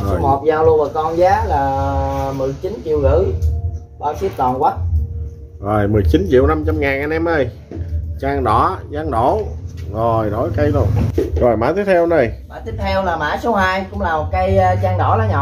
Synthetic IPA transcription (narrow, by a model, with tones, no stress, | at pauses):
o˨˩jmo˨˩t̚zaː˨˩wlu˧ənməː˨˩kɔ˧nzaː˨˦laː˨˩mɨ˨˩əjt͡ɕi˨˦nt͡ɕḭ˧˨wɣɨ̰˧˥ | ɓaː˧wsi˦˥p̚t̪ɔ˨˩nkwa˦˥t̚ | zo˨˩jmɨ˨˩jt͡ɕi˨˦nt͡ɕḭ˧˨əwna˧mt͡ɕa˧mŋaː˨˩nʔa˧nɛ˧mʔə˧˩j | t͡ɕaː˧ŋɗɔ˧˩˦zaː˨˦ŋɗo˧˩˦zo˨˩jɗo˧˩˦jkə˧jlu˧əŋzo˨˩jma̰ː˧˥t̪i˦əp̚t̪ʰɛ˧wnə˨˩jmaː˧˨˦t̪i˦˥əp̚t̪ʰɛ˧wlaː˨˩maː˧˥˦so˨˦haː˧jkʊ̰˧˥ŋ͡mlaː˨˩mo˨˩t̚kaː˨˦jt͡ɕaː˧ŋɗɔ˧˩˦laː˨˧˦ɲɔ̰˧˨